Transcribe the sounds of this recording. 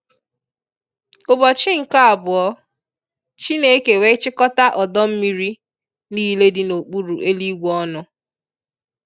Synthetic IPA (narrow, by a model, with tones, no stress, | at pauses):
ʊ˨bɔ˨t͡ʃɪ˦ŋ̩˨ka˦a˨bʊ˨ɔ˦ | t͡ʃi˦ne˦ke˨we˦t͡ʃɪ˦kɔ˦ta˦ʔɔ˨dɔ˦m̩˦mi˦ɾi˦ | niː˦le˦dɪ˦no˨k͡pu˦ɾu˨ʔe˦li˦ɡʷɔ˦nʊ˦